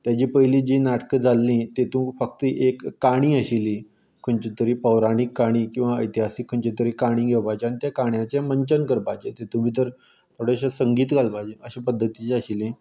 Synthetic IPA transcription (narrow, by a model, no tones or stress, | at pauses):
t̪jat͡ɕiːpəɦjliːd͡ʑiːnaʈə̥kəd͡zʱalːĩt̪et̪ũːfək̚t̪əʔekːaɽ̃ĩːəɕili | kʰuɳt͡ɕit̪əɾiːpəʋɾaɽ̃ikːaɽ̃iːkĩw̃ʋaəjt̪iɦasikʰːəɳt͡ɕet̪əɾiːkaɽ̃ĩːɡʱewpajt͡ɕeañit̪jakaɳjãt͡ɕeməɲt͡ɕənkəɾpad͡ʑet̪et̪ũm̤iːt̪əɾ | t̪ʰoɽeɕasəŋɡiːt̪ɡʱalpad͡ʑeʔəɕẽpəd̪ʱːət̪it͡ɕeəɕilĩ